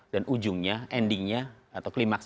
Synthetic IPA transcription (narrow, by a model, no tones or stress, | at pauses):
danʔud͡ʒʊŋɲaɛndɪŋɲa | at̪awklimak̚s